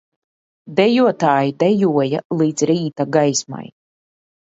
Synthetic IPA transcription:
d̪ɛjuɔt̪aːjid̪ɛjuɔjalˠiːt̪sɾiːt̪aɡajsma̰j

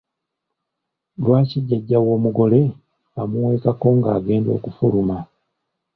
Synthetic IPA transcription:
lwaːciɟːaɟːawo̞ːmuɡo̞le̞ | amuwe̞ːkako̞ːŋɡaːɡe̞ːndo̞̰ːkufuluma

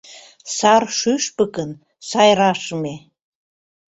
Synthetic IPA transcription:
sɑrʃyʃpəkən | sɑjɾɑʃəme

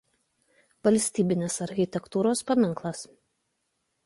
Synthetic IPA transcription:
ʋɐlʲsʲt̪ʲiːbʲɪnʲeːsɐɾʲxʲɪt̪ʲɛkt̪uːɾoːspɐmʲɪŋklˠɐs

